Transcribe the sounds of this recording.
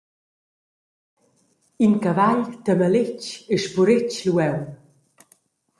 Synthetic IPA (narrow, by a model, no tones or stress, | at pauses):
inkavaʎt̪əməlɪceʃpuɾɪcluɛw